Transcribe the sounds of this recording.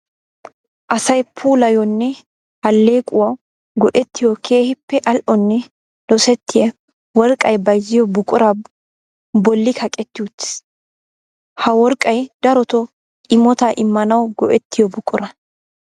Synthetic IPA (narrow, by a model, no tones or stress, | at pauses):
ʔɐsɐjpʰuːlɐjɔnːɛ | hɐlːe̞ːkʼʊwɐw | ɡɔʔɛt̪ːɪjɔkʰeːhɪpːɛʔɐlʔɔnːɛ | l̥ɔsɛt̪ːɪjɐ | wɔɾkʼɐjbɐjzɪjɔbʊkʼʊɾɐ | bɔlːɪkʰɐkʼɛt̪ːɪʊt̪ːɪ̥s | hɐwɔɾkʼːɐjd̪ɐɾɔt̪ɔ | ʔɪmɔt̪ɐʔɪmːɐnɐwɡɔʔɛt̪ːɪjɔbʊkʼʊɾɐ